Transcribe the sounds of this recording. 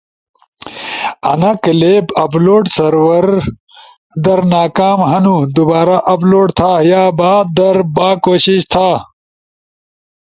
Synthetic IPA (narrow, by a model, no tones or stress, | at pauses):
ɐ̰nɐkɐleːbɐploːʈsɐɾwɐɾ | d̪ɐɾnaːkaːmɦɐnud̪ubaːɾaʔɐploːʈt̪ʰajaːbaːd̪ɐɾbaːkoːɕiɕt̪ʰaː